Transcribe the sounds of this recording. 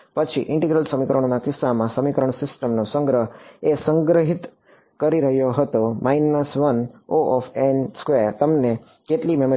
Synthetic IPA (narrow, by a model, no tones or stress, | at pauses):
pət͡ʃʰḭʔɪ̃ɳʈeɡɾəlsəmikəɾəɳ̃onakɪsamãsəmikəɾəɳ̃sɪsʈəmnosə̃ŋɡɾəɦesəŋɡɾəɦit̪ | kəɾiɾəɦjoɦət̪omainəsʋənoʔɔfenskʋeɾt̪əmne | keʈlimemo